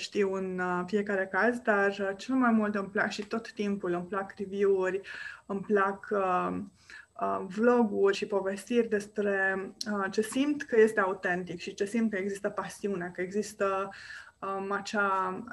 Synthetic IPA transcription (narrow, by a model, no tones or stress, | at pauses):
ʃt̪iwɨnfije̞kaɾe̞kazd̪art͡ʃe̞lmajmult̪ɨmplakʃit̪o̞t̪ːimpulɨmplakrivjuurʲɨmplak | əvlo̞ɡurʲʃipo̞ve̞st̪irʲd̪e̞spɾe̞ət͡ʃe̞simt̪kəje̞st̪eaut̪e̞nt̪ikʃit͡ʃe̞simt̪̚kəeɡzist̪əpasiuneekəeɡzist̪ə | əat͡ʃa